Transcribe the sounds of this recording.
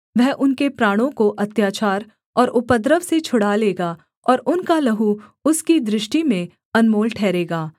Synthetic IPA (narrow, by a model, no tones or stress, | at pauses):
ʋɛɦʔʊnkepɾaːɽ̃õkoʔɐt̪jaːt͡ʃaːɾ | ɔːɾʊpəd̪ɾəʋset͡ʃʰʊɽaleːɡaː | ɔːɾʊnkalɐɦuʊskid̪ɾɪʃʈimẽ | ɐnmoːlʈʰɛːɾeːɡaː